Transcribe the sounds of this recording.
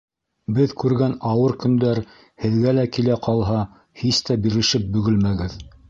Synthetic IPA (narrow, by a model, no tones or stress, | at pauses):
bɘðkʉɾɡænɑwɤɾkɵ̆nd̪æɾ | hɘ̆ðɡælækilæqʰɑlˠɦɑ | hist̪æbiɾɘ̆ʃɘp̚bɵ̆ɡɘlmæɡɘð